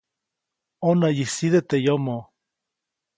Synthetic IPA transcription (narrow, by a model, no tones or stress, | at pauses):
onajisiðet̪ejomo